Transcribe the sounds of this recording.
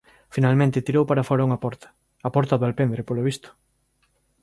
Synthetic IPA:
finalmẽnt̪ɪt̪iɾowpaɾafɔɾauŋɐpɔɾt̪ɐ̥ | ɐpɔɾt̪aðwalpend̪ɾepoloβist̪ʊ̥

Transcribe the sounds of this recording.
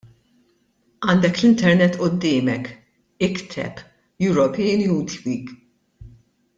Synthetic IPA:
ɐːnd̪ɛklɪnt̪ɛɾnɛt̪ːʔʊd̪ːɪːmɛk | ɪkt̪ʰɛ̰p | juɾɔpɛːnjuːt̪wiːɡ

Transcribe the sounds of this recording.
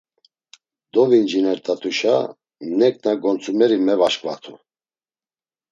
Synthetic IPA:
d̪ɔvind͡ʒinɛɾt̪ʼat̪ʰʼuʃa | mnɛk̚ʰʼnaɡɔnt͡sʰumɛɾimɛvaʃkʼva̰t̪ʰṵ

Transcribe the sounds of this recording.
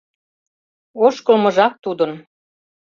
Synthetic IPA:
oʃkɤ̆lmɤ̆ʒɑk̚t̪ud̪ə̆n

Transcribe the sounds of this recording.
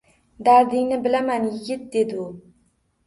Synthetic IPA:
d̪aɾd̪ɪŋnɪbɪlamanjɪɡʲɪt̪̚d̪e̞d̪ɪʊ

